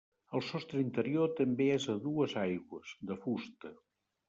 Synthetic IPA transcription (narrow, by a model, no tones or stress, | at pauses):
əlˠsɔst̪ɾəint̪əɾiot̪əmbeezəðuəzajɣwəz̥d̪əfust̪ə